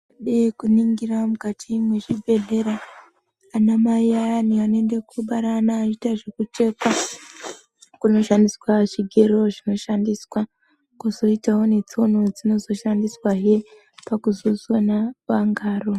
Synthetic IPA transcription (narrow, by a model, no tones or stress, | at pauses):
ɗekuniŋɡiɾamukatʰimweʐibe̞de̞ɾaː | namaiaaniane̞nde̞kʰuɓaɾanat͡ʃitaʐekut͡ʃe̞kwa | kuno̞ʃandiswat͡ʃiɡʱeɾo̞ʐino̞ʃandiswa | kuzo̞itawo̞ne̞t͡sio̞no̞d͡zino̞zo̞ʃandiswaɦe | pakuzozwonaʋaŋɡaːro̞